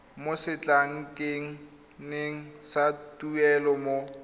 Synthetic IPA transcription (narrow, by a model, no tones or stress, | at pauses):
mosɪt͡ɬʼaŋ̩kʼeŋ̩ | neŋ̩satʼuɛlɔmo